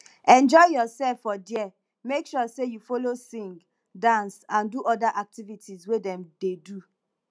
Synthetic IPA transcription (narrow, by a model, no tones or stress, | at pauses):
ɛ̃nd͡ʒɔɪjɔsɛlfːɔdiɛ | mekʃɔsejufolosĩŋɡ | dãnsãnduʔɔdaʔak̚tivitʰizwedɛ̃mdedu